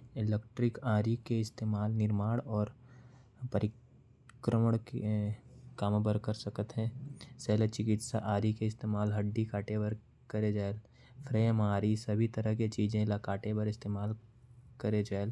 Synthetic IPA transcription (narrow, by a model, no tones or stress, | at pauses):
ɪlek̚ʈɾɪkaːɾikeɪst̪eːmaːlnɪɾmaːɽɔːɾ | pəɾɪ | kɾəməɽ̃ke | kaːməbəɾkəɾsəkət̪ɦɛ̃ːseːlet͡ʃɪkɪt̪saʔaːɾikeɪst̪eːmaːlɦəɖːikaːʈebəɾ | kəɾed͡ʒaːel | fʰɾeːmaːɾisəbʱit̪əɾəɦket͡ʃiːd͡ʒẽlakaːʈebəɾɪst̪eːmaːlkəɾed͡ʒaːel